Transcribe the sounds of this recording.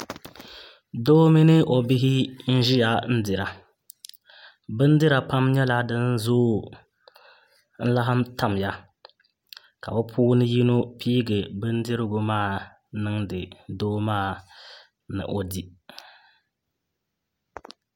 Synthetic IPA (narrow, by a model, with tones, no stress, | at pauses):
doː˦mi˦nɪ˦ʔo˨bi˦ɦɪ˦n̩˦ʒɪ˦ja˨n̩˦dɪ˨ɾa˨ | bɨ˦n˦dɨ˦ɾa˨pa˦mɲɛ˦la˦dɨ˦n˦zoː˦ | n̩˦la˦ɦa˦mta˦m˨ja˦ | ka̰˨bɛ˦pʰuː˦nɨ˦ji˦no˦pʰiː˦ɡɨ˨bɨ˦n˦dɪ˦ɾɨ˦ɡʊ˨maː˦˨ | nɨ˦ŋdɨ˨doː˦maː˦˨ | nɨ̰˨ʔo˨di˦